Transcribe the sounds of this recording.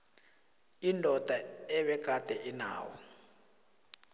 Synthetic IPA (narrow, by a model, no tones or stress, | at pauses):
indʱɔd̥ʱaɛβɛk̬atʼɛʔina̰ːwɔ̰